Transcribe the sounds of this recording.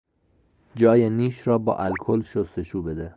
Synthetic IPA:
d͡ʒɒːjeniːʃɾɒːbɒ̰ːʔælkʰolʃost̪eʃʰuːbed̪e

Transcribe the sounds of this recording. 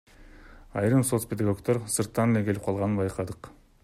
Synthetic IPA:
ɑjɾɯmso̞t̪spʲed̪ɑɡo̞kt̪o̞ɾsɯɾt̪ːɑnelekʰe̞lip̚qʰɑlˠʁɑnɯnbɑjqɑd̪ɯq

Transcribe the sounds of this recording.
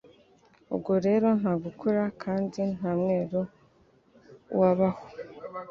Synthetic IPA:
ṵbɡoɾe̞ːɾo̞n̥haːɡukʰuɾakʰaːndin̥haːmŋe̞ːɾo | waβaho

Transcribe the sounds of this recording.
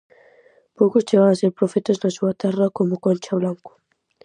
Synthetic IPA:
powkʊst͡ʃeβaŋaseɾpɾofet̪oznasuɐt̪ɛrɐkomʊkonʲt͡ʃaβlaŋku̥

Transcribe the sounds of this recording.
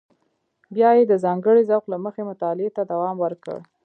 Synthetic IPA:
bjɑjed̪əzɑŋɡəɽizawqlaməxemʊt̪ɑlɪet̪ad̪awɑmwəɾkə̰ɽ

